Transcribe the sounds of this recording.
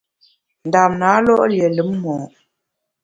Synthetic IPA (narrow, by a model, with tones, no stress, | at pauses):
n̩˨da˨mna˨˦lɔ˦ʔljɛ˨lə˨˦mːɔ˨